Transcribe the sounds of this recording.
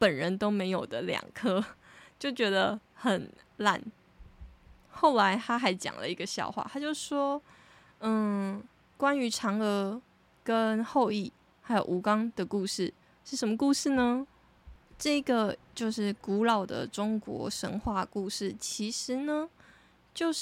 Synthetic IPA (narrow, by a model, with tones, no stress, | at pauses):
pə˨˩nɻə˧˦nt̪o˥ʊme˧˥ɪjo˨˩ʊd̪ə˦ljɑ̰˨˩ŋkʰɤ˥t͡ɕjo˥˩ʊt͡ɕɥɛ˧˥d̪ə˧xə˨˩n | la̰˥˩n | xo˥˩ʊla˧˥ɪt̪ʰa˥xa˧˥ɪt͡ɕjɑ̰˨˩ŋlə̰˦i˧˥ɡə˧ɕjɑ̰˥˧ʊxwa̰˥˩t̪ʰa˥t͡ɕjo˥˧ʊʂ̩˥˩ʂwɔ˥˩ | kwa˥ny˧˥ʈ͡ʂʰɑ˧˥ŋə˧˥ | kə˦˥nxo˥˧ʊi˥˩ | xa˧˥ɪjo˨˩ʊʔu˧˥kɑ˥ŋd̪̥ə˨ku˥˧ʂɻ̩˥˩ | ʂɻ̩˥˩ʂə˧˥mə˧ku˥˧ʂɻ̩˥˩nə˩ | ʈ͡ʂɤ˥˩i˥ɡə˩t͡ɕjo˥˧ʊʂɻ̩˥˩ku˧˥lɑ˨˩ʊd̪ə̰˩ʈ͡ʂʊ˥ŋkwɔ̰˧˥ʂə̰˧˥ŋxwa˥˧ku˥˧ʂɻ̩˥˩t͡ɕʰi˧˥ʂɻ̩˧˥nə˧ | t͡ɕjo˥˧ʊ